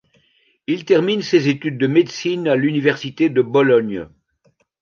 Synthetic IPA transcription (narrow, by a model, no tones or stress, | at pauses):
ilt̪ɛʁminsezet̪yd̪̚ːəmed̪sinalynivɛʁsit̪ed̪əbɔlɔɲ